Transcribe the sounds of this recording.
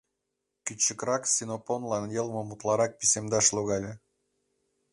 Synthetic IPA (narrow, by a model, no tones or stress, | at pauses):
kʲyt͡ɕːəkrɑksʲinoponlɑnjɤlˠmŏmut̪lˠɑɾɑk̚pʲisemd̪ɑʃloɣɑlʲe